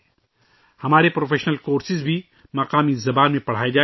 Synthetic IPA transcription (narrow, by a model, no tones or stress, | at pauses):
hɐmaːɾepɾoːfʰeːʃnəlkoːɾsɪzbʱi | mɐqaːmizɐbaːnmẽpɐɽ̤aːed͡ʒaː